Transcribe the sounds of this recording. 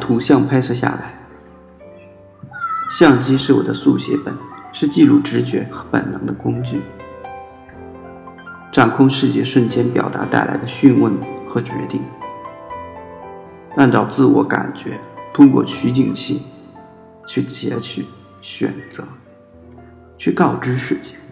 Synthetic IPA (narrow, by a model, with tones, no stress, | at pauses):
t̪ʰu˧˥ɕjɑ˥˩ŋpʰa˥ɪʂʰɤ˥˧ɕja̰˥˩la˧˥ɪ | ɕjɑ˥˧ŋt͡ɕi˥ʂɻ̩˥˩wɔ̰˨˩d̪ə˦su˥˩ɕjɛ̰˧˥fə̰˨˩˦nʂɻ̩˥˧t͡ɕi˥˧lu˥˩ʈ͡ʂɻ̩˧˥t͡ɕɥɛ˧˥xɤ˧˥pə̰˨˩nnɤ̰˧˥ŋd̪ə˧kʊ˥ŋt͡ɕy˥˩ | ʈ͡ʂa˨˩nkʰʊ˥˧ŋʂɻ̩˥˧t͡ɕjɛ̰˥˧ʂə˥˩nt͡ɕjɛ˥npjɑ˨˩ʊt̪a̰˧˥t̪a˥˩ɪlʔa˧˥ɪd̪ə˧ɕy˥˧nwə˥˩nxɤ˧˥t͡ɕɥɛ̰˧˥t̪i˥˩ŋ | a˥˩nʈ͡ʂɑ˨˩ʊt͡sɹ̩˥˩wɔ̰˧˥ka̰˨˩nt͡ɕɥɛ˧˥t̪ʰʊ˥ŋkwɔ̰˥˩t͡ɕʰy˧˥t͡ɕi˥˩ŋɕi˥˩ŋ | t͡ɕʰy˥˩t͡ɕjɛ˧˥t͡ɕʰy˨˩ | ɕɥɛ̰˨˩nt͡sɤ˧˥ | t͡ɕʰy˥˧k̪ɑ˥˩ʊʈ͡ʂɻ̩˥ʂɻ̩˥˩t͡ɕʰi̥˥˩ŋ